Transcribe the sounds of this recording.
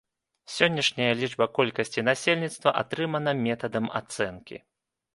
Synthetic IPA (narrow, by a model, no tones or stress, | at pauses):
sʲɔnʲːɐʂnʲɐjɐlʲid͡ʐbɐkɔlʲkɐsʲt͡sʲinasʲelʲnʲit̪st̪vɐʔa̰t̪ɾɨmɐnɐmʲɛt̪ɐd̪ɐma̰t̪sɛnkʲḭ